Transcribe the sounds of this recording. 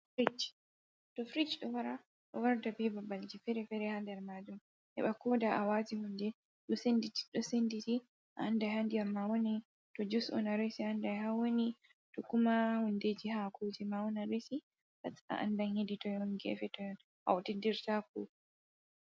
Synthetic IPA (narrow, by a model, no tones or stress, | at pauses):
fɾid͡ʒ | tɔfɾid͡ʒɗɔwaɾa | ɗɔwaɾdabɛbabald͡ʒifɛɾɛfɛɾɛhandɛɾmaːd͡ʒum | ʔɛ̰ɓakɔdaʔawaːtihundɛ | ɗɔsenditi̥ɗɔsenditi | ʔaandajhandiamːawoni | tɔd͡ʒusɔ̰naɾesiaːndaɦawoni | tɔkumahunded͡ʒihakʰud͡ʒɛmawɔnaɾesi | pata̰ʔa̰ndaheditɔjɔnɡɛ̰fɛtɔjɔn | ʔa̰wɔtidiɾtakṵ